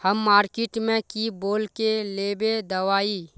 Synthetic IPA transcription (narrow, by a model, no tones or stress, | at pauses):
həmːaːɾkɪʈmẽkiboːlkeleːbed̪əʋaːiː